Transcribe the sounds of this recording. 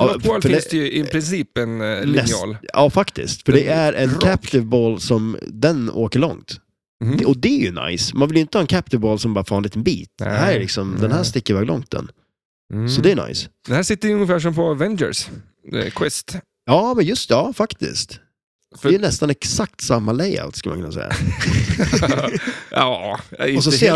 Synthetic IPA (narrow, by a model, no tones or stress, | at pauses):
ɛlfœɪɖɛnsd̪ɛjɵɪpʰɾɪnsiːpɛnlnɛɑ̰ːlɑːfakt̪ɪ̰skt̪fœɖɛæɾʔɛnkʰæpt̪ɪvboːlsɔmd̪ɛno̰ːkəɭɔ̰ŋt̪ | ɔd̪ɛæjɵna̰jsmanvɪljʏɪnt̪əhɑːɛnkʰæp̚t̪ɪvboːlsɔmbɑːɾfɑːnliːt̪ənbḭːt̪d̪d̪ɛhæːɾælɪksɔmd̪ɛnɦæːʂt̪ɪkːəɾvɛːɡlɔ̰ŋt̪̚d̪ɛ̰n | sɔd̪ɛjəna̰ɪsd̪ɛnhæːsɪt̪ːəɾjəɵŋːəfæːʂ̬ɔmpʰɔvɛnd͡ʒə̰s | kʰwɪst̪ | jɑːmɛnjɵst̪ɑːfakt̪ɪ̰st̪ | dɛjnɛst̪anɛksak̚t̪samːalɛja̰lt̪skɵlma̰nkʰɵnasɛ̰jːa̰ | ɑ̰ɔs̬ɔseː